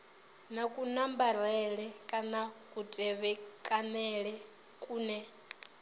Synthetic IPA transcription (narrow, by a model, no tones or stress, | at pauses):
nakʼunambaɾɛɺɛkʼanakʼutʼɛβɛkʼanɛɺɛ | kʼuːnɛ